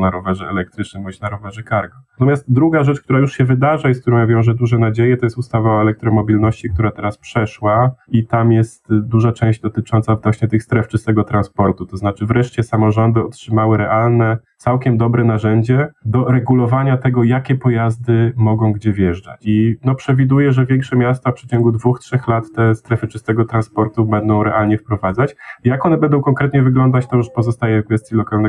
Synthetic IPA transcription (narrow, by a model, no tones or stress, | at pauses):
naɾɔvɛʐɛɛ̰lɛk̚t̪ɾɘt͡ʂnɘbɔɕnaɾɔvɛʐɛkaɾɡɔat̪ɔmjast̪̚d̪ɾuɡaʐɛt͡ʂk̚t̪uɾajuʂɕɛvɘd̪aʐajsk̚t̪uɾɔ̃w̃javʲɔ̃w̃ʐɛd̪uʐɛnad͡ʑejɛt̪ɔjɛst̪ust̪avaɛlɛk̚t̪ɾɔmɔbʲilnɔɕt͡ɕik̚t̪uɾat̪ɛɾaspʂɛʂwait̪amjɛst̪d̪uʐat͡ʂɛ̃w̃ʑd͡ʑd̪ɔt̪ɘt͡ʂɔnt̪savnɔɕɲɛt̪ɘxst̪ɾɛft͡ʂɘst̪ɛɡɔt̪ɾanspɔɾt̪ut̪ɔznat͡ʂɘvɾɛʂt͡ɕɛsamɔʐɔnd̪ɘɔtʂɘmawɘɾɛʔalnɛtsawkʲɛmd̪ɔbɾɛnaʐɛɲd͡ʑɛd̪ɔɾɛɡulɔvaɲat̪ɛɡɔjakʲɛpɔjazd̪ɘmɔɡɔ̃w̃ɡd͡ʑɛvjɛʐd͡ʐa̰t͡ɕinɔpʂɛvʲid̪ujɛʐɛvʲjɛŋkʂɛmʲjast̪afpʂɘt͡ɕɔŋɡud̪vuxtʂɛxlat̪ːɛst̪ɾɛfɘt͡ʂɘst̪ɛɡɔt̪ɾanspɔɾt̪ubɛnd̪ɔ̃w̃ɾɛʔalɲɛfpɾɔvad̪zat͡ɕjakɔnɛbɛnd̪ɔ̃w̃kɔŋkɾɛt̪ɲɛvɘɡlɔnd̪at͡ɕt̪ɔʂpɔzɔst̪ajɛfkvɛst̪ʲjilɔkalnɛ